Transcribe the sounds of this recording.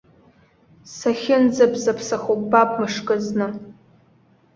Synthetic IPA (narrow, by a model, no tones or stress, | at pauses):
saχʲɪnd͡zapʰʼzapʰsaχokʼbapʼmɨʂkʼɨznɨ